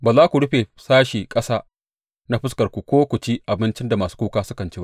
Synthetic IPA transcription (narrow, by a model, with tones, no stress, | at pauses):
baː˨zaː˦kʷu˨ɽʊ˦ɸe˨saː˦ʃiː˨kʼɐ˦saː˦ | na˦ɸɪ˦skɐ˨rkʷu˨kʷoː˦kʷʊ˨t͡ʃi˦ʔa˨bɪ˦nt͡ʃɪ˦nda˨maː˨su̥˦kʷuː˦kaː˦sʊ̥˦kɐ˨nt͡ʃe˦a˦